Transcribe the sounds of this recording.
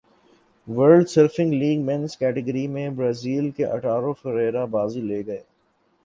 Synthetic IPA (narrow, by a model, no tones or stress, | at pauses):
ʋəɾɖsəɾfɪ̃ŋɡliːɡmɛ̃nskɛːʈəɡəɾimẽbɾaːziːlkeʔɐ̰ʈaːɾofəɾɛːɾabaːzileːɡɐeː